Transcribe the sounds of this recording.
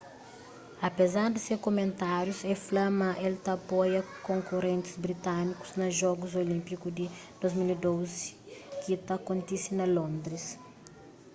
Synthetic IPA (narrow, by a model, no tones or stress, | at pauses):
ɐpezaɾd̪isekomẽnt̪aɾjusɛflɐmɐʔelt̪ɐpojɐkõŋkuɾẽnt̪ɪ̥zbɾit̪aniku̥znɐʒɔɡuzolĩmpikud̪id̪̥ozmilid̪ozikit̪ɐkõnt̪isinɐlõnd̪ɾis